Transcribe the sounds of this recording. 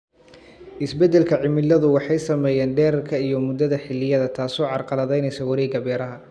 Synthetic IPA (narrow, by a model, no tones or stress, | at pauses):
ʔɪsbɛd̪ɛlkʰɐʕɪmɪlːɐðʊwɑħɑjsɐmɛjɛːnɖɛːɾɐrkʰɐijɞmʊd̪ɐðɐħɪlːɪjɐðɐt̪ʰaːsɔːʕɑrqɑlɐðɛjnɛjsɔwɑɾiːɡɐbjɛɾɐɦɐ